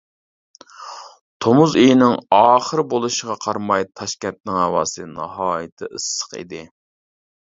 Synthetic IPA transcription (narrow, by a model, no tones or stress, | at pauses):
t̪ʰomuzejinɪŋɑːχəɾbolˠuʃəʁɑqʰɑɾmɑjt̪ʰɑʃkʲɛnt̪̚nɪŋhɑwɑːsɨnɑ̰ɦɑːjɨt̪ʰɪʔɨsːə̥qḭd̪ɪ